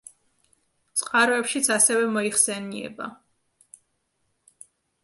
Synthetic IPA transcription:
t̪sʼqʼaɾɔɛpʃit̪sʰasɛvɛmɔiχsɛniɛ̰ba̰

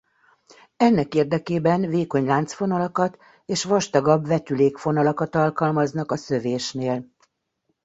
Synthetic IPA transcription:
ɛnːɛkeːrd̪ɛkeːbɛnveːko̞ɲlaːnt̪sfo̞nɒlɒkɒt̪ | eːʃʋɒʃt̪ɒɡɒbvɛt̪yleːkfo̞nɒlɒkɒt̪ɒlkɒlmɒznɒkɒsø̞veːʃneːl

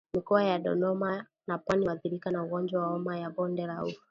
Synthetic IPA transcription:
mikɔajaɗɔ̰ɗɔma | napwaniaθiɾikanauɡɔnd͡ʒwawaɔmajabɔndɛɾauf

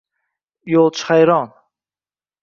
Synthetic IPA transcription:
jolˠt͡ʃʰχajɾɑn

